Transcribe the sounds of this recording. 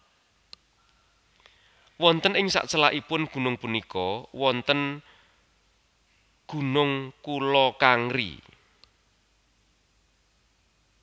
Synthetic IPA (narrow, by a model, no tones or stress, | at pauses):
wɔnt̪ənɪŋsa̰ʔt͡ʃəlaʔipʊnɡ̥ṳnʊŋpunikɔwɔnt̪ən | ɡ̥ṳnʊŋkulɔkaŋɾḭ